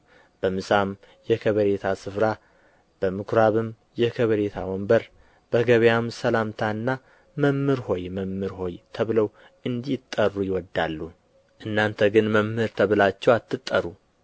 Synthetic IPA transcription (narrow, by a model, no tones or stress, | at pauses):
b̥əmɨsam | jɛkʰəβəɾet̪ʰasɨfɾa | b̥əmɨkʰɾaβɨm | jɛkʰəβəɾe̞t̪ʰa̰wɔmbəɾ | b̥əɡəβjamsəlamt̪ʰaɨnːa | məmːɨɾho̞jməmːɨɾho̞jt̪ʰəβɨləw | ʔɨnd̪it̪ʼːərːujɪwɔd̪ːalːu | ʔɨnːant̪ʰəɡɨnməmhɨɾt̪ʰəβɨlat͡ʃːɛwat̪ʰːɨt̪ʼːəɾu